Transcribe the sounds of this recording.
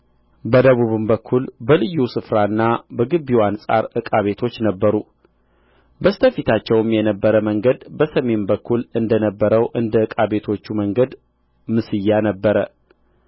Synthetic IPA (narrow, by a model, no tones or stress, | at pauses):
bəd̪əβuβɨmbəkʰːulbəlɨjːusɨfɾaɨnːabəɡɨbːiwansʼa̰ɾɨkʼaβe̞t̪ʰo̞t͡ʃːnəbːəɾu | bəst̪ʰəfit̪ʰat͡ʃːɛwmjɛnəbːəɾəməŋɡəd̪bəsəme̞nbəkːulɨnd̪ənəbːəɾəwʔɨnd̪əɨkʼaβe̞t̪ʰo̞t͡ʃːuməŋɡəd̪ | mɨsɨjːanəbːəɾə